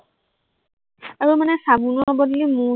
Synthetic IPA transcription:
aɹumanɛsabunɔbɔdlimu

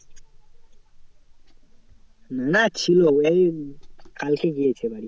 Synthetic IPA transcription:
nənat͡ʃʰiloeikalkʰeɡiet͡ʃʰebaɽi

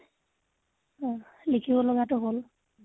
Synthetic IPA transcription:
likʰibɔloɡatʊɦol

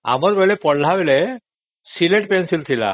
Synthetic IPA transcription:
a̰məɾbeɭepəɽl̤aʋele | sileʈpensilt̪ʰila̰

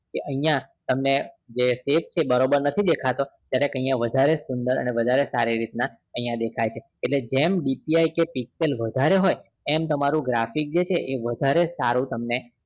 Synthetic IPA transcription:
keʔəɦijãt̪əmne | d͡ʒesep̚t͡ʃʰebəɾobəɾnət̪ʰid̪ekʰat̪ot̪jaɾekə̃ɦĩjãʋəd̪ʱaɾesʊnd̪əɾə̰neʋəd̪ʱaɾesaɾiɾit̪na | əĩjãd̪ekʰajt͡ʃʰeːʈled͡ʒemɖipiajkepikselʋəd̪ʱaɾeɦoj | emt̪əmaɾũɡɾafik̚d͡ʒet͡ʃʰeʔeʋəd̪ʱaɾesaɾũt̪əmne

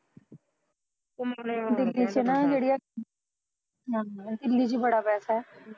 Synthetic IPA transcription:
d̪ɪlːiːt͡ʃenaːd͡ʒeːɽia | d̪ɪlːiːd͡ʒiːbəɽaːpɛːsaɦɛː

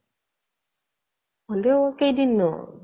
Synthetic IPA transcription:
ɔndɛwɔkedinːɔ̰

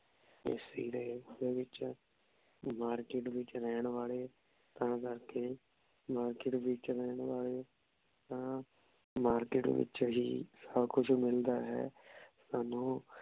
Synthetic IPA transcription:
ḛsiːd̪eːdeːʋɪt͡ʃ | maːɾkɪʈʋɪt͡ʃɾɛːɳʋaːleː | t̪ãːkəɾkeː | maːɾkɪʈʋɪt͡ʃɾɛːɳʋaːleː | t̪ãː | maːɾkɪʈʋɪ̰t͡ʃɦiːsəbkʊt͡ʃʰmɪld̪aːɦɛ̰ːsaːnũː

